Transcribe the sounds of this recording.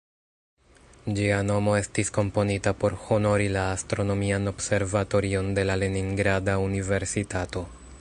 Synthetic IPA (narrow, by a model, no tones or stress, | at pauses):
d͡ʒiano̞mo̞e̞stisko̞mpo̞nitapo̞ɾho̞no̞ɾilaːstɾo̞no̞miano̞bse̞ɾvato̞ɾio̞nde̞lale̞niŋɡɾadaunive̞ɾsitato̞